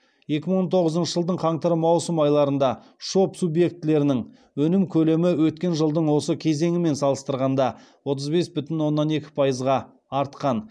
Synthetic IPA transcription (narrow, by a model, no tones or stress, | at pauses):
je̞kʲɪməɴwont̪ʰo̞ʁəzənʃəʒəlˠd̪əɴqʰɑɴt̪əɾəmɑwsəmɑjlˠɑɾənd̪ɑ | ʃo̞psubje̞k̚t̪ɪle̞ɾɪnɪŋ | wɵnɪmkʲʰɵle̞mɪwɵt̪̚kʲe̞nʒəlˠd̪əɴwo̞səkʲʰe̞ze̞ŋɪme̞nsɑlˠəst̪əɾʁɑnd̪ɑ | wo̞t̪̬əzbe̞sbʏt̪ɪnwo̞nːɑne̞kʲɪ̥pʰɑjəzʁɑː | ɾt̪qɑn